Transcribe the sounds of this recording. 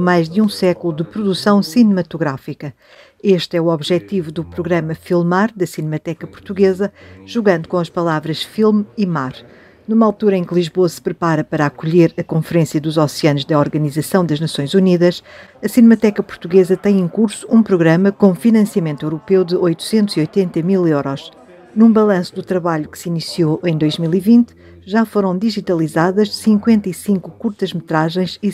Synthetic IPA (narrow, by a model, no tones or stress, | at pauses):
majʒd̪ɨũsɛkulˠud̪ɨpɾuðusɐ̃w̃sinɨmɐt̪uɣɾafikɐ | eʃt̪ɛuɔβʒɛt̪ivuðupɾuɣɾɐmɐfilˠmaɾd̪ɐsinmɐt̪ɛkɐpu̥ɾt̪uɣezɐʒ̥uɣɐ̃nd̪ukõɐʃpɐlˠavɾɐʃfilˠmimaɾ | numalˠt̪uɾɐẽklˠiʒβoɐsɨ̥pɾɨpaɾɐpɐɾakuʎeɾɐkõfɨɾẽsjɐðuzɔsiɐnuʒd̪ɐɔɾɣɐnizɐsɐ̃w̃d̪ɐʒnɐsõj̃zuniðɐʃɐsinmɐt̪ɛkɐpuɾt̪uɣezɐt̪ɐ̃j̃ẽkuɾsu̥ũpɾuɣɾɐmɐkõfinɐ̃sjɐmẽnt̪ewɾupewd̪ɨʔojt̪u̥sẽnt̪uz̥iojt̪ẽnt̪ɐmilˠewɾɔʃ | nũbɐlˠɐ̃sud̪ut̪ɾɐβaʎukɨ̥sinisioʔɐ̃j̃d̪ojʒmilˠivĩnt̪ | ʒafoɾɐ̃w̃d̪iʒit̪ɐlˠizaðɐʃsĩŋkwẽnt̪ɐisĩŋku̥kuɾt̪ɐʒmɨt̪ɾaʒɐ̃j̃ʃi